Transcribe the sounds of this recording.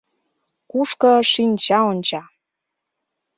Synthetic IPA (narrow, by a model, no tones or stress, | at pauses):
kuʃkɤ̆ʃinʲt͡ɕɑonʲt͡ɕɑ